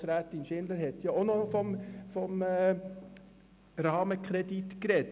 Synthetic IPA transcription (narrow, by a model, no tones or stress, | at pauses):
sɾæːt̪ɪnʃɪnd̪əɾhɛt̪jɑonofɔmfɔmː | ɾɑːməkχɾɛd̥it̪kɾɛt